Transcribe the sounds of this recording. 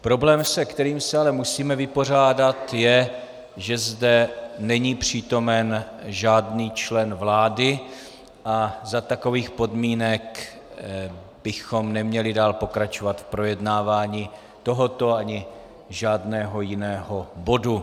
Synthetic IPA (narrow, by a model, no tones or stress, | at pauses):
pɾo̞blɛːmsɛkt̪ɛɾiːmsɛalɛmusiːmɛvɪpo̞r̝aːdat̪jɛ | ʒɛzdɛnɛɲiːpr̝̥iːt̪o̞mɛnʒaːdniːt͡ʃlɛnvlaːdɪ | ʔazat̪ako̞viːxpo̞dmiːnɛk | b̥ɪxo̞mnɛmɲɛlɪdaːlpo̞kɾat͡ʃovat̪fpɾo̞jɛdnaːvaːɲiː | t̪o̞ɦo̞t̪o̞aɲɪ | ʒaːdnɛːɦo̞jɪnɛːɦobo̞du